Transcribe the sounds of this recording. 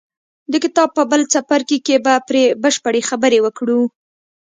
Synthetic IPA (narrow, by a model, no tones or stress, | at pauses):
d̪əkɪt̪ɑb̚pəbəlt͡sapaɾkikebapɾebəʃpəɽexabəɾewəkɽu